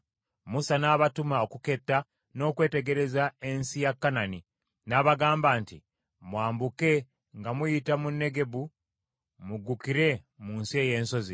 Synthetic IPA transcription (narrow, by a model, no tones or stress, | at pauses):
musanaβatumao̞kuke̞tːa | no̞ːkwe̞ːte̞ɡe̞ɾe̞zaensijakːanani | naβaɡaːmbaːntḭ | mwaːmbuke̞ | ŋɡamujitamunːe̞ɡe̞βu | muɡukiɾe̞ | muːnsie̞ːje̞ːnso̞zi